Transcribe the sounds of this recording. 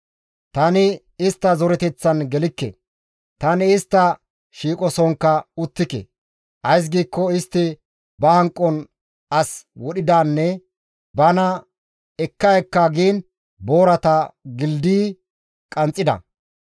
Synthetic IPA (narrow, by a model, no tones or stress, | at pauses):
t̪ɐnɪ | ɪst̪ːɐzɔɾɛt̪ɛt͡sːɐnɡɛlɪkːɛ̰ | t̪ɐnɪɪst̪ːɐ | ʃiːkʼɔsɔŋkːɐʊt̪ːɪkḛ | ʔɐjs̬ɡiːkːɔɪst̪ːɪ | bɐhɐŋkʼːɔn | ɐswɔɗɪd̪aːnːɛ | bɐnɐ | ɛkːɐɛkːaːɡiːn | bo̞ːɾɐt̪ɐɡɪld̪iː | kʼɐnt͡sʼːɪd̪ɐ̰